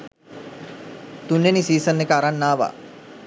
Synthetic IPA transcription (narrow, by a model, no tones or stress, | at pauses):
t̪unːenisiːsənːekəaɾanːaːʋa̰ː